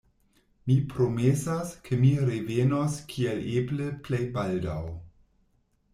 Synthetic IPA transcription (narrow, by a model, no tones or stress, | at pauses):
mipɾo̞mesaskʰemiɾevenoskʰielebləplejbaldaw